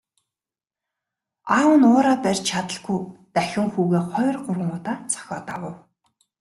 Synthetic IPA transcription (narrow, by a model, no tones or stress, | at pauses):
aːwə̆nʊːɾaːpærʲt͡ɕt͡ɕʰat̪ə̆ɬɮɡujt̪æxʲɪ̆ŋxuːɣeːχɔj̆ʲrɢʊrʁə̆ŋʊːt̪aːt͡sʰɔ̥xʲɔːt̪a̰wə̆w